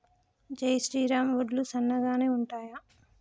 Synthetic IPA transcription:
d͡ʒɐjsʈiːɾaːmʋoɖlusɐnːɐɡaːne̞ːuɳʈaːjɐ

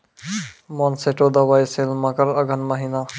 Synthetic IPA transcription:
mɔːnseʈod̪ɐʋaːiselmãkəɾɐɡənmɐɦiːna

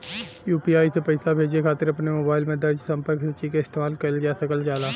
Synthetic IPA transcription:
juːpiːaːisepɐɪsabʱeːd͡ʒiekʰaːt̪ɪɾɐpnemoːbaːɪlmẽd̪ɐɾd͡ʒsɐ̃mpəɾksɐt͡ʃikeɪst̪eːmaːlkɐɾld͡ʒaːsɐkəld͡ʒaːlaː

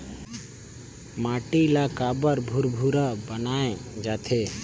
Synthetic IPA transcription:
maʈilakabəɾbʱuɾbʱuɾabənaːẽd͡ʒat̪ʰe

